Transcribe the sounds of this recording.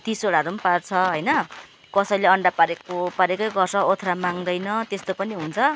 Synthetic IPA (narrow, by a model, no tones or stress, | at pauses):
t̪isoɽaɾumpart͡sʰʌɦʌjnʌ | kʌsʌjleʌɳɖapaɾekopaɾekʌjɡʌrt͡sʰʌot̪ʰɾamaŋd̪ʌjnʌt̪est̪opʌniɦunt͡sʰʌ